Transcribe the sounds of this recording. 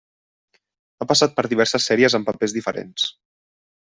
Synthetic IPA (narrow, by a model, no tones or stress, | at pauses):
apəsat̪̚pəɾðiβɛɾsəsːɛɾiəzəmpəpezðifəɾḛns